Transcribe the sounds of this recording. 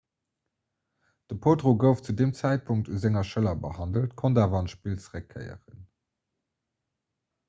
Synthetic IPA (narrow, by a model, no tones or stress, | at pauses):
d̥əpʰoːdʁoɡəʊft͡sudeːmt͡sæɪt̚pʰuŋk̚tʰuzæŋɐʃəlɐbəhɑndəltkʰondaːvɐɑnʃpilt͡sʁekʰːə̰ɪə̰ʁən